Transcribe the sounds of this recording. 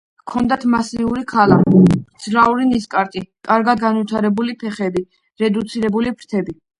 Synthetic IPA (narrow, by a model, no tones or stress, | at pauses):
kʰɔnd̪at̪ʰmasiuɾikʰalad̪z̥ɾauɾiniskʼaɾt̪ʼikʼaɾɡad̪̚ɡanvit̪ʰaɾɛbulipʰɛχɛbi | ɾɛd̪ut̪sʰiɾɛbulipʰɾt̪ʰɛbi